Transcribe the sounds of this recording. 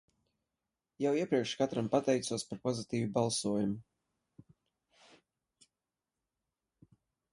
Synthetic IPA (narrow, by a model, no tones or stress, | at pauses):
jawiɛpɾiɛkʃkat̪ɾampat̪ɛjt̪suɔspaɾpɔzit̪iːvibalˠsuɔjumu